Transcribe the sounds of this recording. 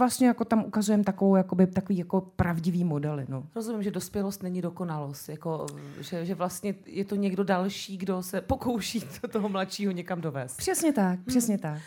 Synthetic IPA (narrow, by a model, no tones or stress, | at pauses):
vlast̪ɲɛjako̞t̪amʔukazujɛmt̪akovowjakobɪt̪akoviːjako̞pɾavɟɪviːmo̞dɛlɪ̰noɾozumɪmʒɛdospjɛlost̪nɛɲɪdo̞ko̞nalost̪jako̞ʒɛʒɛvlast̪ɲɛjɛt̪oɲɛɡdo̞dalʃiːɡdo̞sɛpoko̞wʃit̪t̪oɦomlat̪ʃiːɦoɲɛkamdo̞vɛːst̪pr̥ɛsɲɛt̪ak̚pr̥ɛsɲɛt̪ak